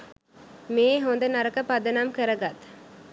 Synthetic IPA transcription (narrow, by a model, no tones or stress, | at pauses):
meːɦond̪ɐnɐɾɐkɐpɐd̪ɐnamkəɾɐɡɐt̪